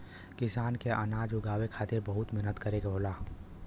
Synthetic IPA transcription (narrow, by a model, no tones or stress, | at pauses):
kɪsaːnkeanaːd͡ʒʊɡaːwekʰaːt̪ɪɾbɐɦʊt̪mɛɦnət̪kəɾeɡaɦoːlaː